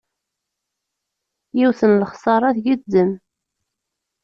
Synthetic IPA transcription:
jiwθənləχsˤɑɾˤɑθʝid̪ːən

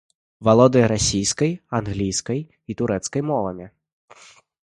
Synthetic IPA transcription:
valˠɔd̪ɨjɐɾasʲijskɐjanɣlʲijskɐj | it̪uɾɛt̪skɐjmɔvɐ̰mʲɛ

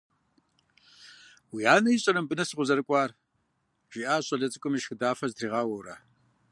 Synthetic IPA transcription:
wiaːnɐjiɕʼɐnɐmbɨnɐsɨʁʷʊzɐɾɨkʷʼɑːr | ʒ̥iʔaːɕʼɐɮɐt͡sʼɨkʷʼʊmiʃxɨdaːfɐztʰriːʁɑwɐɾɐ̰

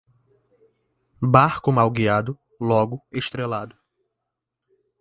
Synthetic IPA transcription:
baɾkʊmawɡiad̪ʊ | lɔɡʊeʃt̪ɾelad̪ʊ

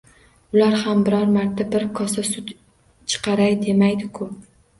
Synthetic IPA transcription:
ʊlaɾhambɪɾɒɾmaɾt̪ʰabɪɾkʰɒsasʊt̪ | t͡ʃʰɨ̥qʰɑɾajd̪e̞majd̪ɪkʰʊ

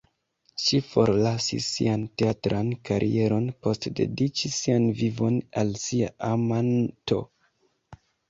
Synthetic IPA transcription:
ʃifo̞ɾlasḭsːḭanteatɾʔankaɾʔḭe̞ɾo̞npo̞stde̞̰dit͡ʃisːianvivo̞nalsiaʔamanto̞̰

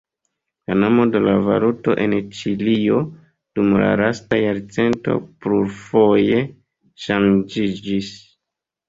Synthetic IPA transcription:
kanamode̞lava̰ɾuto̞ʔe̞nt͡ʃilio̞ | d̥umla̰ɾastajaɾt͡se̞nto̞̰pluɾfo̞je̞ | ʃand͡ʒid͡ʒis

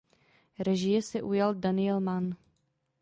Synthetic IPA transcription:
ɾɛʒɪjɛsɛʔujaldanɪjɛlman

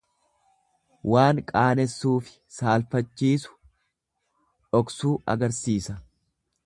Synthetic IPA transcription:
waːŋkʼaːnɛsːuːfɪ̥saːlfɐt͡ʃːiːsʊ̥ | ᶑɔksuːʔɐ̰ɡɐɾsiːsɐ

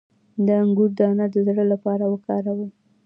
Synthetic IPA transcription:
d̪əaŋɡuɾd̪ɑnad̪əzɽəlapɑɾawəkɑɾawəl

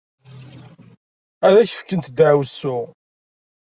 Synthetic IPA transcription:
æɾæçə̥fkənt̪d̪ʕwsːʊ

